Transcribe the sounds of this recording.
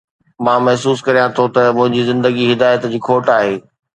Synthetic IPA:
mãːmɐɦsuːskɐɾijãt̪ʰot̪ɐmʊ̃ɦɪ̃ɲd͡ʑizɪ̃nd̪əɡiɦɪd̪aːjət̪d͡ʑiːkʰoːʈaːɦeː

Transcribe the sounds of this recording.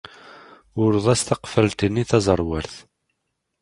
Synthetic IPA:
ʊɾðˤæst̪ɑqfəlt̪ənːiθɑzˤəɾˤwæɾθ

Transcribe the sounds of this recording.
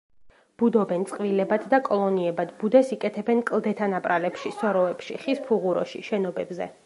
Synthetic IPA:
b̥ud̪ɔbɛnt̪sʼqʼvilɛbad̪d̪akʼɔlˠɔniɛbad̪bud̪ɛsikʼɛt̪ʰɛbɛnkʼlˠd̪ɛt̪ʰanapʼɾalɛpʃisɔɾɔɛpʃḭχispʰuʁuɾɔ̰ʃḭʃɛnɔbɛbzɛ̰

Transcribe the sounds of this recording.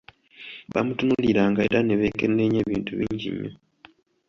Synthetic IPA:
βa̰mutunuliɾaːŋɡaeɾaneβeːkenːe̞ɲe̞ːβiːntuβiːɲɟḭɲːo̰

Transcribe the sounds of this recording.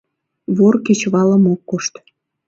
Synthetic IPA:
βorket͡ɕβɑləmokːoʃt̪

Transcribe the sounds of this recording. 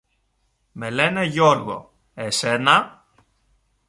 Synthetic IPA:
me̞le̞neʝo̞ɾɣo̞̰ | esenɐ

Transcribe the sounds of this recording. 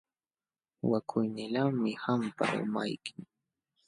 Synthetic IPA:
wakʰʊjnɪlaŋmɪhampa̰ʔʊ̰majkɪŋ

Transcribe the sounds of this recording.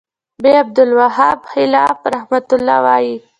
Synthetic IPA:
beab̚d̪ʊlwaɦabhɪlɑfɾahmat̪ʊlːɑ̰wɑji

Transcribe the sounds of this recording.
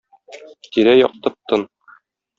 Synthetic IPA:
t̪iɾæjɒ̰q̚t̪ɤp̚t̪ɤn

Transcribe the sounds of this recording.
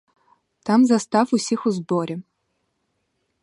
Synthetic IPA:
t̪amzast̪afusʲixʊzboɾʲɛ

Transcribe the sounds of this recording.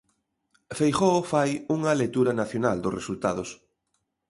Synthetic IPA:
fejxofajuŋɐlet̪uɾɐnaθjonald̪ʊsresult̪aðʊs

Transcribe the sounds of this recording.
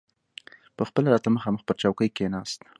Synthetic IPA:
pəxpəlaɾɑt̪aməxɑməxpəɾt͡ʃawkəjkenɑst̪

